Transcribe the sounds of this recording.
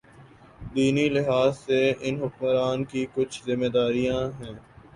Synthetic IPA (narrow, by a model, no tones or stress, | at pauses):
d̪iːnilɪɦaːzseɪnɦʊkməɾaːnkikʊt͡ʃʰzɪmːed̪aːɾijãɦɛ̃ː